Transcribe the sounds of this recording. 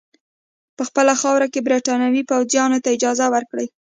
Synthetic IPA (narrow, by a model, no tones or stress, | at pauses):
pəxpəlaxɑwɾakebɾeʈɑnawipawzjɑnot̪aɪd͡ʒɑzawəɾkɽəj